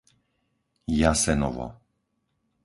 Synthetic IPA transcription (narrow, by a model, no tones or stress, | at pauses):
jasɛnɔva̰